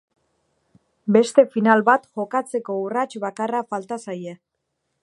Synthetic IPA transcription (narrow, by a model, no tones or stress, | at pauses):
be̞st̪e̞finalβat̪ʝo̞kat͡se̞ko̞urat͡ʃβakarafalt̪asaje̞